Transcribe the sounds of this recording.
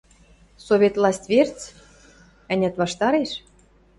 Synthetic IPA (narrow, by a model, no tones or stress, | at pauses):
soβʲet̪lˠɑsʲt̪ʲvʲert͡s | ɘ̆nʲæ̆t̪βɑʃt̪ɑɾeʃ